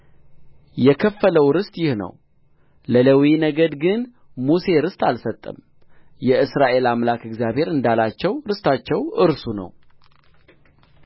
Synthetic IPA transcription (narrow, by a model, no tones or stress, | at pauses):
jɛkʰəfːələwɾɨst̪ʼjɪhnə̰w | lələwinəɡəd̪ɡɨn | muse̞ɾɨst̪ʰʼalsət̪ʼːə̰m | jɛʔɨsɾaʔe̞lamlakɨɡzjaβhe̞ɾɨnd̪alat͡ʃːɛwɾɨst̪ʰat͡ʃːɛwɨɾsunə̰w